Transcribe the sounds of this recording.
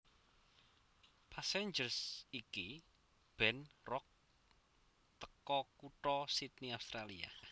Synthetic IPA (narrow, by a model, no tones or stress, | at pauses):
pʰaseɲd͡ʒərsiki | b̥ɛ̤nrɔk̚ | t̪əkɔkuʈɔsit̪̚niawst̪ɾalia̰